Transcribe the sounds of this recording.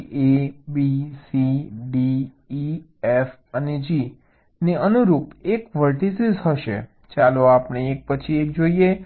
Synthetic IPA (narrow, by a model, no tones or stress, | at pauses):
ebisiɖiː | ef | əned͡ʒi | neənuɾupekʋəʈ̪isizɦəʃḛ | t͡ʃaloapneek̚pət͡ʃʰiek̚d͡ʒoie